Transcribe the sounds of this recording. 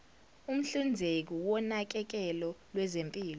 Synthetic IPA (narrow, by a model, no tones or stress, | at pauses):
um̩ɬund͡zʱek̬iwɔnak̬ɛk̬ɛlɔlwɛzempʼiːlɔ